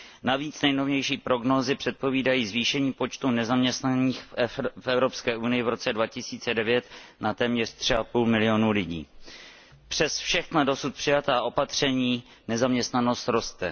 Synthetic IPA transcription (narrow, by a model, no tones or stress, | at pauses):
naviːt͡snɛjno̞vɲɛjʃiːpɾo̞ɡno̞ːzɪpr̥ɛt̪̚po̞viːdajiːzviːʃɛɲiːpo̞t͡ʃt̪unɛzamɲɛst̪naniːxfʔɛvɾo̞pskɛːʔunɪjɪvɾo̞t͡sɛdvacɪsiːt͡sɛdɛvjɛt̪nat̪ɛːmɲɛr̥t̪r̝̥ɪapuːlmɪlɪo̞nulɪɟḭː | pr̝̥ɛsfʃɛxnado̞sut̪̚pr̥ɪjat̪aːʔo̞pat̪r̝̥ɛɲiː | nɛzamɲɛst̪nano̞st̪ɾo̞st̪ɛ